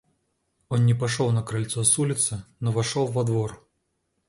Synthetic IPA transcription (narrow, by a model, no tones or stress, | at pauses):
ɔnnʲɛpaʂɔwnɐkɾalʲt̪sɔsulʲɪt̪sɨnɔvaʂɔwːɐd̪vɔr